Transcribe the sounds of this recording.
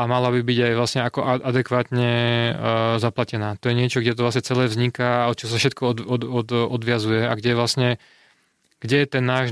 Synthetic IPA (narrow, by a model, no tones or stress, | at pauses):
amalabibiɟajʋlasɲɛakɔʔaʔad̪ɛkʋaːt̪ɲɛ | zaplacɛnaːt̪ɔjɛɲɪɛt͡ʃɔɡɟɛt̪ɔʋlasɲɛt͡sɛlɛːvzɲikaɔt̪̚t͡ʃɔɔsafʃɛt̪kʰɔɔɔɔd̪ɔd̪ʋɪazujɛaɡɟɛʋlasɲɛ | ɡ̥ɟɛjɛt̪ɛnːaːʒ